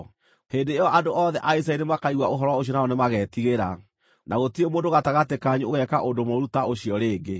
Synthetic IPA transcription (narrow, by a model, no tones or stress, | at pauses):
heːndeeɔʔandoʔɔðɛʔaisainemakaiɣwaoɦɔɾɔwaoɔnaɔnemaɣɛːtiɣeɾa | nʔaɣotiemoːndoɣataɣatekaɲuoɣɛkaʔondomoɾutaʔoɕiɔɾeːɡe